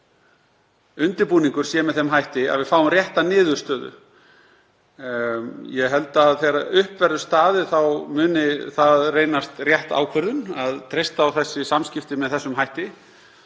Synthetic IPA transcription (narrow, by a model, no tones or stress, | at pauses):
ʏnt̪ɪɾpuːniŋkʏɾ̥sjɛːmɛðθɛmɦajht̪ɪa̰ðvɪfaːwʏmrjɛht̪anɪːðʏ̥st̪œːðʏ̰ | jɛɦɛlt̪aðθeɾaʏhpvɛɾðʏst̪aːðɪθawmʏːnɪθaðreːjnast̪rjɛht̪a̰ːwkʰvœɾðʏnaðt̪ʰɾejst̪aːwθɛsːɪsamscɪft̪ɪmɛðθɛsːʏmɦajht̪ɪ